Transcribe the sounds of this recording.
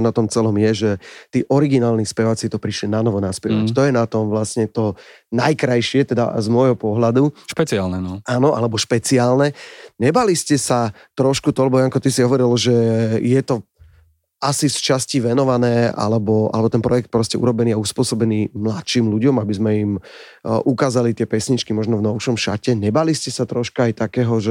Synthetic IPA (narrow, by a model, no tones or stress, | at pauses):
nat̪ɔmt͡sɛlɔmjɛʒɛt̪iːʔɔɾiɡinaːlnispɛʋaːt͡sit̪ɔpɾiʃlinanɔʋɔnaspɪɛʋact̪ɔjɛnat̪ɔmʋlasɲɛt̪ɔ | najkɾajʃɪɛt̪ɛd̪a̰zmʊɔjɦɔpɔɦlad̪uʃpɛt͡sialnɛnɔaːnɔʔa̰lɛbɔʃpɛt͡siaːlnɛɲɛbaliscɛsa | t̪ɾɔʃkut̪ɔlɛbɔjaŋkɔt̪isiɦɔʋɔɾilʒɛjɛt̪ɔ | asist͡ʃasciʋɛnɔʋanɛːa̰lɛbɔʔa̰lɛbɔt̪ɛnpɾɔjɛk̚t̪̚pɾɔscɛṵɾɔbɛniːauspʊɔsɔbɛniːmlat̪ʃiːmluɟɔmabizmɛim | ʔukaːzalit̪ɪɛpɛsɲit͡ʃkimɔʒnɔvnɔʊʃɔmʃa̰cɛɲɛbaliscɛsat̪ɾɔʃkaajt̪akɛːɦɔʒɛ